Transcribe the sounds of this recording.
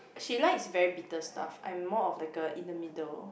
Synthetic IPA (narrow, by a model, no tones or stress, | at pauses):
ʃilaɪksvɛɹibitəsta̰fã̰j̃mːɔɔflaɪkəʔĩndəmidəl